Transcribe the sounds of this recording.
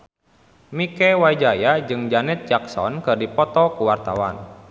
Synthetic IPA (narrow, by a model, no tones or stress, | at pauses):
mikɛwajd͡ʒajad͡ʒɨŋd͡ʒanɪt̪̚d͡ʒaksɔ̰nkɨrdipɔt̪ɔkuwart̪a̰wa̰n